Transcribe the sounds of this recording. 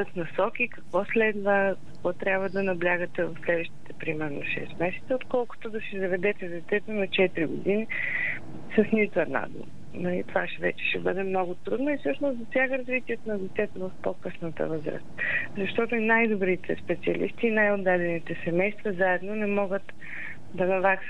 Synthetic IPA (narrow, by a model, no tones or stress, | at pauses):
ət̪nɐsɔkʲikɐkvɔslɛd̪vəkɐ̥kvɔt̪ɾʲabvəd̪ɐnɐblʲjaɡət̪ɛvɐfslɛd̪vəʃt̪i̥t̪ɛpɾimɛɾno̰ʃɛ̰st̪mɛsɛ̥t̪səot̪kɔlˠkʊ̥t̪od̪ɐsizɐvɛd̪ɛt̪ɛd̪ɛt̪ɛt̪onɐt͡ʃɛt̪ɾiɡʊ̰d̪ini | sɐsnit̪ʊɛd̪na̰d̪ṵ | nɐlḭt̪ovaʃɛvɛt͡ʃɛ̥ʃɛbə̰d̪ɛmnɔɡʊt̪ɾud̪nɐifsɤʃnoszɐsjaɡəɾɐzvit̪iɛt̪onɐd̪ɛt̪ɛt̪ovɐfpokɤsnət̪ə̰vɤzɾə̰st̪zɐʃt̪ɔt̪oinajd̪obɾit̪ɛ̰spɛt̪siɐlḭst̪iːnajod̪ːad̪ɛnit̪ɛsɛmɛjst̪vəzaɛd̪nonɛmɔɡət̪ | d̪ɐnɐvaks